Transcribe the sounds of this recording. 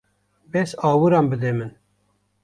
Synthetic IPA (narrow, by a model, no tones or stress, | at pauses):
bɛsɑːwɨɾɑːmbɨd̪emɨn